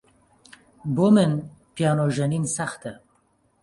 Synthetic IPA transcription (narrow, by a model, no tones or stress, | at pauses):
bomɨnpijɑːnoʒɐninsaxt̪ʰɛ